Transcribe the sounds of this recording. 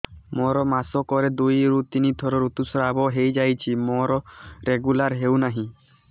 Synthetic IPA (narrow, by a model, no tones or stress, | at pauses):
mɔɾɔmasɔkɔɾed̪ujɾut̪init̪ʰɔɾɔɾut̪usɔɾabɔɦejd͡ʒajt͡ʃʰimɔɾɔɾeɡulaɾɦewnaɦĩ